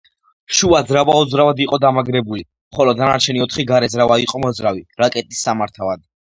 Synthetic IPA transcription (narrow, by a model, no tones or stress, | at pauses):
ʃuazɾavaɔd̪zɾavad̪iqʼɔd̪amaɡɾɛbuli | mχɔlɔd̪anaɾt͡ʃʰɛniɔt̪ʰχiɡaɾɛzɾavaiqʼɔmɔd̪zɾaviɾakʼɛt̪ʼisːamaɾt̪ʰavad̪̚